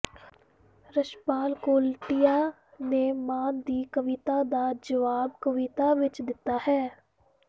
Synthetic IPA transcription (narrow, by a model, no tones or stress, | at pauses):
ɾəʃpaːlkoːlʈɪjaː | neːmãːd̪iːkəʋit̪aːd̪aːd͡ʒəʋaːbkəʋit̪aːʋɪt͡ʃd̪ɪt̪ːaːhɛː